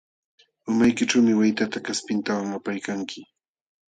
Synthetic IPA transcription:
ʊmajkɪʈ͡ʂawmɪwajt̪at̪akaspɪnt̪awaŋapajkaŋkʰɪ

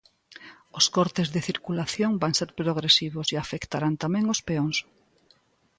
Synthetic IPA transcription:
oskoɾt̪ezðeθiɾkulaθjoŋbaŋseɾpɾoɣɾesiβoseafekt̪aɾant̪amẽŋospeoŋs

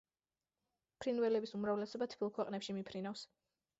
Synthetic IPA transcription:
pʰɾinvɛlɛbisumɾavlɛsɔbat̪ʰbʰilˠkʰwɛqʼnɛpʃimipʰɾinafs

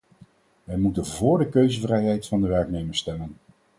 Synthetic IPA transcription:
ʋɛjmutənvʊːɹdəkøɥzəvrɛjɦɛjtfɑndəʋɛɹknejməɹstɛlən

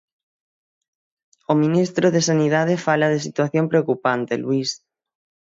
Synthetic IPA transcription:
omĩnist̪ɾoðesaniðað̞efalaðesit̪waθjompɾeokupant̪eluis

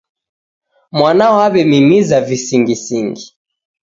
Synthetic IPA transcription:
mwanaɔaβɛmimizavisiŋɡisiŋɡi

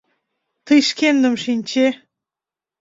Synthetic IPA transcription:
t̪ɨjʃkʲend̪əmʃinʲt͡ɕe

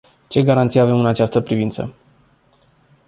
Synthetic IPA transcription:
t͡ʃe̞ɡaɾant̪sijave̞mɨnat͡ʃast̪əpɾivint̪sə̰

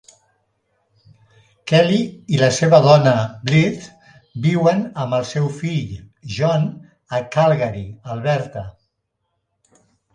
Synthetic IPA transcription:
kɛliiləseβəðɔnəblit̪ | biwənəməlˠsɛwfiʎʒɔn | əkalˠɣaɾiəlˠβɛɾt̪ə

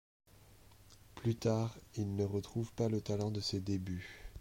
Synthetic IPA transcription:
plyt̪aːʁilnəʁət̪χuvpalət̪alɑ̃d̪əsed̪eby

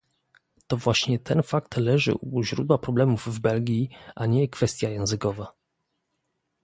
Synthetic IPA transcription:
t̪ɔvwaɕɲɛt̪ʰɛnfak̚t̪lɛʐɘ̰ʔuʑɾud̪wapɾɔblɛmuvːbɛlɡʲiʔaɲɛkfɛst̪ʲjajɛ̃w̃zɘkɔva

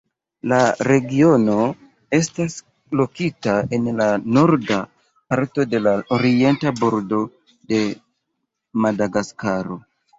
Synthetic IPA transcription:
laɾe̞ɡio̞no̞ | e̞stas | lo̞kitae̞nlanoɾda | paɾto̞de̞laoɾie̞ntabo̞ɾdo̞ | de̞ | madaɡaskaɾo̞

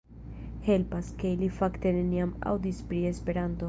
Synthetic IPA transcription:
he̞lpaske̞ilifakt̪e̞neniama̰wd̪ispɾie̞spe̞ɾant̪o

